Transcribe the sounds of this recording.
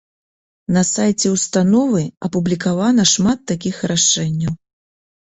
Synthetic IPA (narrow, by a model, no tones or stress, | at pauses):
nɐsajt͡sʲɛwst̪anɔvɨɐpublʲikavanɐʂmat̪ːakʲixraʂɛnʲːɐw